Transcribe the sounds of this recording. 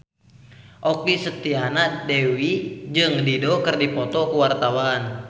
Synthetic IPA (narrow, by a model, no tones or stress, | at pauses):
ʔɔkisət̪ianadewid͡ʒɨŋdidɔkɨrdipɔt̪ɔkuwart̪awan